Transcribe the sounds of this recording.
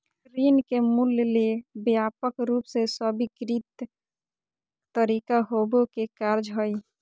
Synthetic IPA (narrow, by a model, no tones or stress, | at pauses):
ɾiːnkemullebjapəkɾuːpsesəbikɾit̪ | t̪əɾikaɦobokekaɾd͡ʒɦəj